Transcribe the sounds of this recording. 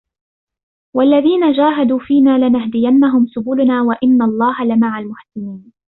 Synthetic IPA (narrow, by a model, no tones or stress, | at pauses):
walːaðiːnad͡ʒaːɦad̪uːfiːnaːlɪnahd̪ɪjanːaɦʊmsʊbuːlnaːwaʔɪnːalˤːɑːhalɪmaʕalmʊħsɪniːn